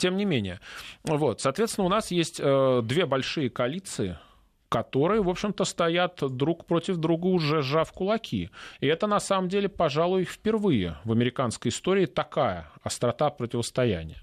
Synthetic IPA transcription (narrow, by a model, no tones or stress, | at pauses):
tʲe̞mnʲɪmʲenʲɪ̰jəvo̞t̪sɐːt̪vʲet̪sʲɪnʊnasjesʲtʲəd̪vʲe̞bɐlʲʂɨjəkɐlʲit̪sɨɪ̰ | kɐt̪o̞ɾɨjəvo̞pɕɪmt̪əst̪ɐjat̪d̪ɾukpɾotʲɪvd̪ɾuɡəʊʐɛʐafkʊlˠɐkʲʰḭɪɛt̪ənɐsaməmdʲelʲɪpɐʐalˠʊjfpʲɪrvɨjɪ̰vəmʲɪɾʲɪkanskəjɪst̪o̞ɾʲɪːt̪ɐkajə̰ɐst̪ɾɐt̪apɾətʲɪvəst̪ɐjæ̰nʲɪ̰jə